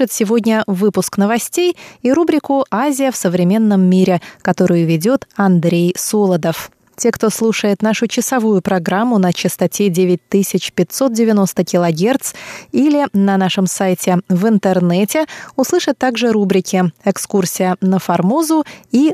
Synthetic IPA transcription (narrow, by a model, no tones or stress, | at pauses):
ət̪sʲɪvo̞dʲnʲəvɨpʊsknəvɐsʲtʲejiɾubɾʲɪkʊazʲɪjəfsəvɾʲɪmʲe̞nːəmːʲiɾʲɪkɐt̪o̞ɾʊjʊvʲɪdʲo̞t̪ɐnd̪ɾʲejsolˠəd̪əf | tʲe̞kt̪o̞slˠuʂəjɪt̪naʂʊt͡ɕɪsɐvujʊpɾɐɡɾamːʊnət͡ɕɪst̪ɐtʲedʲevʲɪt̚ʲt̪ɨsʲɪt͡ɕpʲɪtʲso̞t̪̚dʲɪvʲɪno̞st̪əkʲɪlˠɐɡʲe̞rt̪silʲɪnɐnaʂɨmsajtʲɪvɨnt̪ɨrnɛtʲɪʊslˠɨʂət̪ːaɡʐɨɾubɾʲɪkʲɪɛkskursʲɪjənəfɐrmozʊi